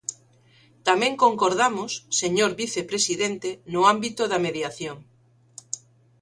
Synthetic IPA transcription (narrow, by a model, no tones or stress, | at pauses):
t̪amẽŋkoŋkoɾðamʊsːeɲoɾβiθepɾesiðent̪enʊambit̪ʊðɐmeðjaθjoŋ